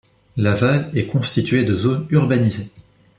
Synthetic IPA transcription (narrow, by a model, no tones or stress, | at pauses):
lavalɛkɔ̃st̪it̪ɥed̪əzonyʁbanize